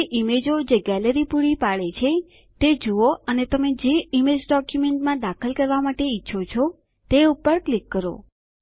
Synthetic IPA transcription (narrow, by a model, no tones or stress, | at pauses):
eʔimed͡ʒod͡ʒeɡɛləɾipuɽipaɭet͡ʃʰe | t̪ed͡ʒuoənet̪əmed͡ʒeimed͡ʒɖɔkjumeɳʈmãd̪akʰəlkəɾʋamaʈeitːʃʰot͡ʃʰo | t̪eupəɾklikːəɾo̰